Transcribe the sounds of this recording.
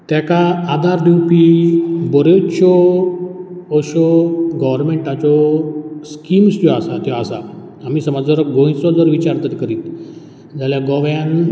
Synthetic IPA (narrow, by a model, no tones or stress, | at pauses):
t̪jakaːd̪ʱaɾd̪iwpibɔɾet͡ɕɔ | ɔɕɔɡɔʋəɾmeɳʈat͡sɔskimst̪jɔasat̪jɔasa | amiːsəməd͡zəɾɡõjt͡sɔd͡zəɾʋit͡ɕaɾt̪ət̪kəɾiːt̪ | d͡zʱaljaɡɔʋjãn